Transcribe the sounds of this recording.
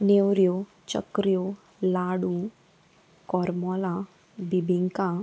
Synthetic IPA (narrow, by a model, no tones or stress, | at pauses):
newɾjo | t͡ɕə̰kɾjo | laɽũ | kɔɾmɔla | bibʱiŋka